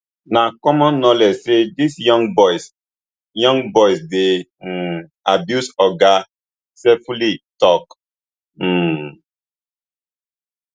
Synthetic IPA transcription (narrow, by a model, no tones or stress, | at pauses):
nakɔmɔ̃nːɔled͡ʒsedisjɔ̃ŋbɔjs | jɔ̃ŋɡbɔjsde | abjusɔɡa | sɛfulitɔk̩